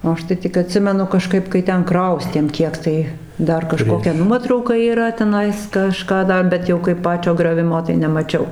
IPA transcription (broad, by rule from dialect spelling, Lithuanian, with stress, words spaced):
oː ˈɐʃ tɐɪ ˈtʲɪk ɐˈtʲsʲɪmʲɛnʊ kɐˈʃkɐɪp kɐɪ ˈtʲɛn ˈkrɐʊsʲtʲeːm ˈkʲiɛk tɐɪ ˈdɐr kɐˈʃkoːkʲɛ ˈnuɔtrɐʊkɐ iːˈrɐ tʲɛˈnɐɪs kɐˈʃkɑː ˈdɐ ˈbʲɛt jɛʊ kɐɪp ˈpɑːt͡ʃʲoː ɡrʲoːˈʋʲɪmoː tɐɪ nʲɛmɐˈt͡ʃʲɛʊ